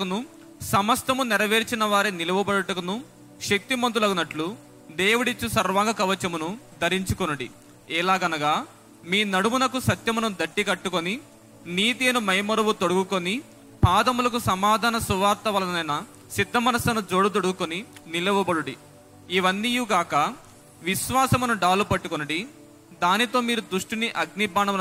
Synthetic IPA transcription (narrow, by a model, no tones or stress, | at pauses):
kɐnu | sɐmɐst̪ɐmunɛɾɐʋeːɾit͡ʃinɐʋaːɾinilɐʋɐbɐɽɐʈɐkɐnu | ʃek̚t̪imɐnd̪ulɐɡunɐʈlu | d̪eːwuɽit͡ʃːusɐɾʋaːŋɡɐkɐʋɐt͡ʃɐmunud̪ʱɐɾiɲt͡ʃukonuɽḭ | ɛːlaːɡɐnɐɡaː | miːnɐɽumunɐkusɐt̪jɐmunɐnud̪ɐʈːikɐʈːukoni | niːt̪iɐnumɐjmɐɾuʋut̪oɽuɡukoni | paːd̪ɐmulɐkusɐmaːd̪ʱaːnɐsuʋaːɾt̪ɐʋɐlɐnɐjnɐ | sid̪ʱːɐmɐnɐsɐnud͡ʒoːɽut̪̬oɽuɡukoninilɐʋɐbɐɽuɽi | iʋɐnːijuɡaːkɐ | ʋiʃʋaːsɐmunuɖaːlupɐʈːukonɐɽi | d̪aːnit̪o̞ːmiːɾud̪ɾuʂʈiniʔɐɡnibaːɳɐm